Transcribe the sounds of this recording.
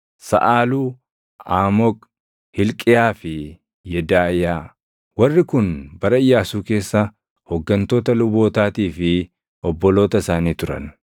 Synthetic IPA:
sɐ̰ʔaːluː | aːmɔk | hɪlkʼɪjaːfɪ | jɛd̪aːɪjaː | wɐrːɪkʊnbɐɾɐɪjːaːsuːke̞ːsːɐ | hɔɡːɐnt̪o̞ːt̪ɐlʊbo̞ːt̪aːt̪iːfɪ | ʔɔbːɔlo̞ːt̪ɐɪsaːniːt̪ʊɾɐ̰n

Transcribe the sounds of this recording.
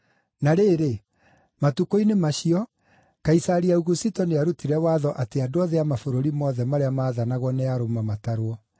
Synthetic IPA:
naɾeːɾe | matukoinemaɕiɔ | kaisaɾiauɣusitɔneaɾutiɾɛwaːðɔʔateadoaðɛamafoɾoɾimɔðɛmaɾeamaːðanaɣwɔnɛaɾomamataɾwɔ

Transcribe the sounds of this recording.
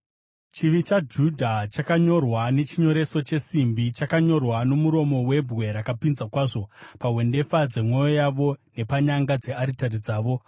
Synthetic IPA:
t͡ʃiʋit͡ʃad͡ʒudʱat͡ʃakaɲo̞rwane̞t͡ʃiɲo̞ɾe̞so̞t͡ʃe̞simbit͡ʃakaɲo̞rwano̞muɾo̞mo̞we̞bʱɣwe̞ɾakapinzakwaːʐo̞paɦwe̞nde̞fad͡ze̞mwo̞jojaʋo̞ne̞paɲaŋɡad͡ze̞aɾitarid͡zaːʋo̞

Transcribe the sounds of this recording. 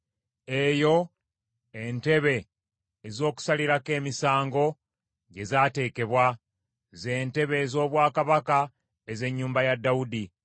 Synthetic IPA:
e̞jo̞ | ente̞βe̞ː | zo̞ːku̥saliɾake̞ːmisaːŋɡo̞ | ɟe̞zaːte̞ːke̞βwa | ze̞ːnte̞βe̞zo̞ːβwaːkaβaka | eze̞ɲːuːmbajadːaudi

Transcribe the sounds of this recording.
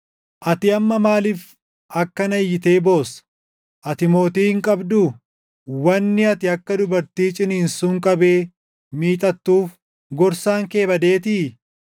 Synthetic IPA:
ʔɐt̪ɪɐmːɐmaːlɪf | ʔɐkːɐnɐjːɪt̪eːbo̞ːsɐ̥ | ʔɐt̪ɪmo̞ːt̪iːhɪŋkʼɐbd̪ʊ | wɐnːɪɐt̪ɪɐkːɐd̪ʊbɐɾt̪iːt͡ʃʼɪniːnsuŋkʼɐbe̞ː | miːt̪ʼɐt̪ːuːf | ɡɔɾsaːŋke̞ːbɐd̪eːt̪ɪː

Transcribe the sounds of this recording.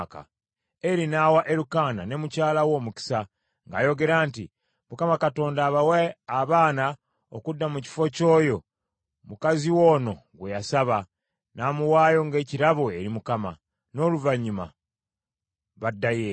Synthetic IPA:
ka̰ | e̞ɾinaːwaʔe̞ɾukaːna̰ne̞mucaːlawo̞ːmuci̥sa | ŋɡa̰ːjo̞ɡe̞ɾaːnti | mukamakato̞ːndaːβaweaβaːna | o̰kudːamuci̥fo̞co̞ːjo̞ | mukaziwo̞ːno̞ɡwe̞jasaβa | naːmuwaːjo̞ŋɡe̞ːciɾaβoe̞ɾimukama̰ | no̞ːluvaɲːima̰ | βadːaje

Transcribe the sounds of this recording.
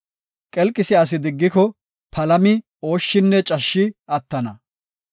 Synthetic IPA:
kʼɛlkʼɪsɪɐs̬ɪd̪ɪɡːɪkɔ | pʰɐlɐmɪ | o̞ːʃːɪnːɛt͡ʃʼɐʃːɪɐt̪ːɐnɐ

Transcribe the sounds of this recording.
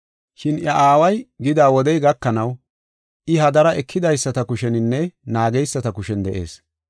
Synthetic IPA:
ʃɪnjɐʔaːwɐjɡɪd̪aːwɔd̪ɛjɡɐkːɐnɐw | ʔɪɦɐd̪ɐɾɐʔɛkʰːɪd̪ɐjsːɐt̪ɐkʊʃɛnɪnːɛnaːɡɛjsːɐt̪ɐkʊʃɛnd̪ɛʔe̞̰ːs

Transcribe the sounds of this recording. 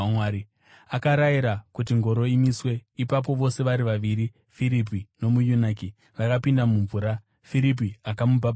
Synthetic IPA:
waɾi | akaɾajiɾakut̬iŋɡo̞ɾo̞imiswe̞ipap̬o̞ʋo̞se̞ʋaɾiʋaʋiɾi | fiɾip̬ino̞mujunaki | ʋakapindamuɱvuːɾa | fiɾip̬iakamubaɓ

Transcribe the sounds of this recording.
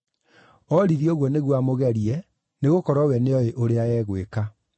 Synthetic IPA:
ɔɾiðioɣwɔneɣwamoɣɛɾiɛ | neɣokɔɾɔwɛneɔeʔoɾeajɛːɣweka

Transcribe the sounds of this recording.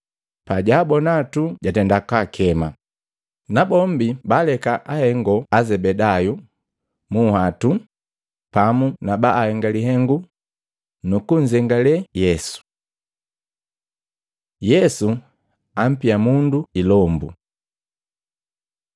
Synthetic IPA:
paɟaːbɔnatuɟatɛndakakʰɛma | nabɔmbibalɛkaʔahɛŋɡɔazɛbɛdaju | muhatu | pamunabaʔːhɛŋɡaliɦɛŋɡu | nukuɲd͡ʒɛŋɡalɛjɛsu̥ | jɛsu | am̩piamunduilɔmbṵ

